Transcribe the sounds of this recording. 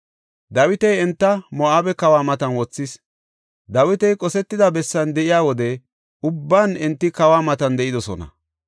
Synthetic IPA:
d̪ɐwɪt̪ɛjɛnt̪ːɐmɔʔaːbɛkɐwaːmɐt̪ɐnwɔt͡sːɪs | d̪ɐwɪt̪ɛjkʼɔsɛt̪ːɪd̪ɐbɛsːɐnd̪ɛʔɪjaːwɔd̪ɛ | ʊbːaːnɪnt̪ːɪkɐwaːmɐt̪ɐnd̪ɛʔɪd̪ɔsɔ̰nɐ̰

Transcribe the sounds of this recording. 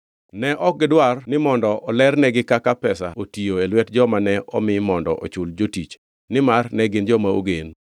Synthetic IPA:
nɛʔɔk̚ɡɪdwarnɪmɔndɔɔlɛrnɛɡɪkakapɛsaotioelwɛtd͡ʒɔmanɛʔɔ̰mɪmɔndɔ̰ʔɔ̰t͡ʃʊld͡ʒotit͡ʃ | nɪmarnɛɡɪnd͡ʒɔmao̰ɡen

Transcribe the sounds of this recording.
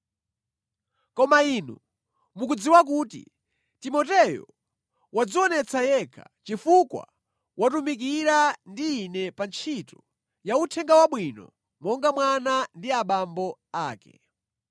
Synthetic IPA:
kɔmainu | mukud͡ziwak̬utḭ | timɔtɛjɔ̰ | wad͡ziɔnɛt͡sajɛkʰḁt͡ʃifukwa̰ | watumik̬iɾandiːnɛpant͡ʃʰitɔ | jautʰɛŋɡawaɓwinɔ̰ | mɔŋɡamwanandiaɓambɔaːkɛ̰

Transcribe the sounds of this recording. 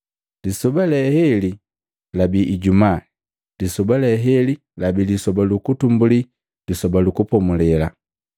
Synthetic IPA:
lisɔbalɛhɛli | labiʔːɟumaː | disɔbalɛɦɛli | labilisɔbalukutumbuli | lisɔbalukupɔmulɛla

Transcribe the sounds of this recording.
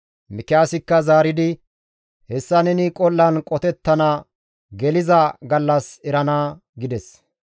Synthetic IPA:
mɪkɛaːsɪkːɐzaːɾɪd̪ɪ | hɛsːɐnɛnɪkʼɔlːɐnkʼɔt̪ɛt̪ːɐnɐ | ɡɛlɪzɐɡɐlːɐsɛɾɐnaː | ɡɪd̪ɛs

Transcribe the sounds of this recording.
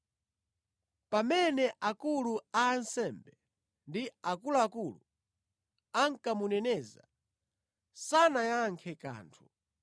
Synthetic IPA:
pamɛnɛʔakuluaːnsɛmbɛ | ndiakulaakulu | aŋkamunɛnɛːza̰ | sanajaŋkʰɛka̰ːntʰu

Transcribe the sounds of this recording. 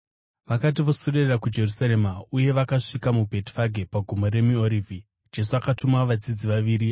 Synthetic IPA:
ʋakat̬iʋo̞soɗerrakud͡ʒe̞rusaɾe̞mauje̞ʋakaʂikamubʱe̞ti̥faɡʱe̞paɡʱumoɾe̞mioɾivʱi | d͡ʒe̞s̬uakatumaʋad͡zid͡ziʋaʋiːɾi

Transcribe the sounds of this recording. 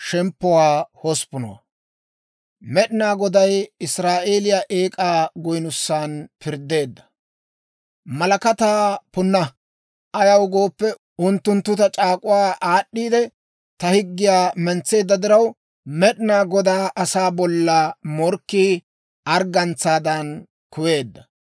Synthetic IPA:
ʃɛmpːɔwaːhɔspːʊnɔ̰wa̰ | mɛɗɪnaːɡɔd̪ɐjɪsɾaːʔe̞ːlɪjaʔeːkʼaːɡʊjnʊsːaːnpɪɾd̪ːe̞ːd̪ːɐ̥ | mɐlɐkɐt̪aːpʊnːɐ | ʔɐjɐwɡo̞ːpːɛ | ʔʊnt̪ːʊnt̪ːʊt̪ɐt͡ʃʼaːkʼʊwaːʔaːɗːiːd̪ɛ | t̪ɐhɪɡːɪjaːmɛnt͡sːe̞ːd̪ːɐd̪ɪɾɐw | mɛɗɪnaːɡɔd̪aːʔɐsaːbɔlːɐmɔɾkːiː | ʔɐɾɡɐnt͡sːaːd̪ɐn | kʊwe̞ːd̪ːɐ

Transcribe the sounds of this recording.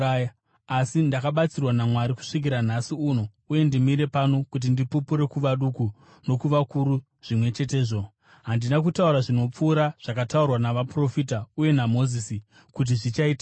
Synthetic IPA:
aja | asindakaɓat͡sirwanamwaɾiku̥ʂik̬iɾanasiuno̞ | uje̞ndimiɾe̞pano̞kut̬indipupuɾe̞kuʋaɗuku | no̞kuʋakuɾu | ʐ̥imwe̞t͡ʃe̞te̞ːʐo̞ | ɦandinak̬utauɾaʐino̞p͡fuːɾaʐ̥akataurwanaʋapro̞fitauje̞namo̞zisi | kut̬iʐit͡ʃaiːta

